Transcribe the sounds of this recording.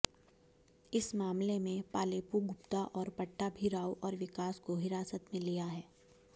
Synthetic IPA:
ɪsmaːmlemẽpaːleːpuɡʊpt̪aʔɔːɾpɐʈːabʱiɾaːwʔɔːɾʋɪkaːskoɦɪɾaːsət̪mẽlijaɦɛː

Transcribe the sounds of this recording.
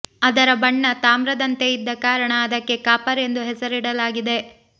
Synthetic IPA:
ɐd̪ɐɾɐbɐɳːɐt̪aːmɾɐd̪ɐnt̪e̞id̪ːɐkaːɾɐɳɐːd̪ɐkːe̞kaːpɐɾe̞nd̪uɦɛsɐɾiɽɐlaːɡid̪e̞

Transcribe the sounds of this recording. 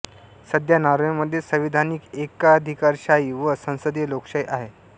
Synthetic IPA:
səd̪ʱjanaɾuməd̪ʱːjesəʋid̪ʱaniːkekad̪ʱikaɾɕaiʋəsə̃w̃səd̪ilokɕajʔaɦe

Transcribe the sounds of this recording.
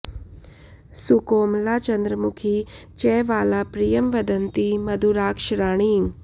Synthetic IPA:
sukoːmlat͡ʃənd̪ɾəmukʰit͡ʃɛːʋaːlapɾijəmʋəd̪ənt̪imɐd̪ʱuɾaːkʃɾaːɽ̃iːŋɡ

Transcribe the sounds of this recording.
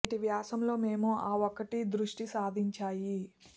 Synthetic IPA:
ʈiʋjaːsɐmlo̞ːme̞ːmuaːɔkɐʈid̪ɾuʂʈisaːd̪ʱiɲt͡ʃaːji

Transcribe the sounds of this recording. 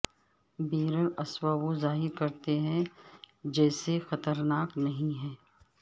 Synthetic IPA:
biːɾəɾɐswaʋozaːɦɪɾkɐɾt̪eɦɛ̃ | d͡ʒɛːsexɐt̪əɾnaːknɐɦĩɦɛ̃ː

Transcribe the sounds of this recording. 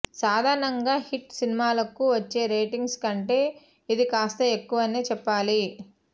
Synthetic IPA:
saːd̪ʱaːɾɐɳɐŋɡaːhiʈsinimaːlɐkuʋɐt͡ʃːe̞ːɾɐjʈiŋɡskɐɳʈe̞ː | id̪ikaːst̪ɐekːuʋɐneːt͡ʃɛpːaːli

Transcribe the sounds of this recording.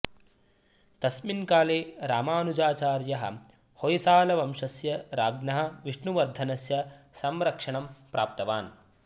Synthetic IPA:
t̪ɐsminkaːleːɾaːmaːnud͡ʒaːt͡ʃaːɾjɐɦɐ̰̆ | hojisaːlɐʋɐmʂɐsjɐɾaːɡnɐɦɐ̆ʋiʂɳuʋɐɾd̪ʱɐnɐsjɐsɐmɾɐkʂɐɳɐmpɾaːp̚t̪ɐʋaːn

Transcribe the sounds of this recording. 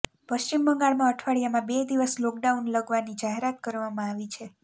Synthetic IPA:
pəʃt͡ʃimbəŋɡaɭmãəʈʰʋaɭijamãbed̪iʋəslɔk̚ɖaunləɡʋanid͡ʒaɦeɾat̪̚kəɾʋamãaʋit͡ʃʰe

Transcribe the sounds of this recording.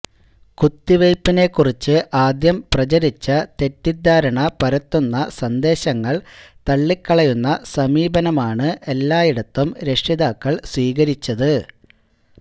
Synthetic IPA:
kut̪ːiʋejpːine̞kːurit͡ɕːɨʔaːd̪jɐmprɐt͡ɕɐɾit͡ɕːɐt̪e̞tːid̪ʱːaːɾɐɳɐpɐɾɐt̪ːunːɐsɐnd̪e̞ːɕɐŋːɐɭt̪ɐɭːikːɐɭɐjunːɐsɐmiːbɐnɐmaːɳɨʔe̞lːaːjiɽɐt̪ːumɾe̞ʂiðaːkːɐɭsʋiːɣɐɾit͡ɕːɐðɨ

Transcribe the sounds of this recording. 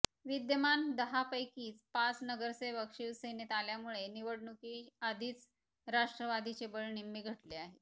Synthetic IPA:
ʋid̪jəmand̪əɦapəjkiːt͡spat͡snəɡəɾseʋəkʂilsenet̪aljamuɭeniʋəɽɳukiːad̪ʱiːt͡s | ɾaʂʈɾəʋad̪it͡ɕebəɭnimːiːɡʱəʈleaɦe

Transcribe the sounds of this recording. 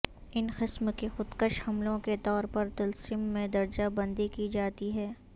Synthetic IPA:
ɪnxɪsmkixʊd̪kəʃhɐmlõket̪ɔːɾpɐɾt̪ɐlsiːmːẽd̪ɐɾd͡ʒabɐ̃nd̪ikid͡ʒaːt̪iɦɛː

